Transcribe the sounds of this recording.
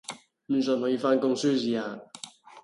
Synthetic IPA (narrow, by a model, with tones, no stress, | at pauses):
m̩˨˧nsə˨˧nhɔː˨˥jiː˧faː˥nkʊ˥ŋsyː˥siː˨˧aː˨˩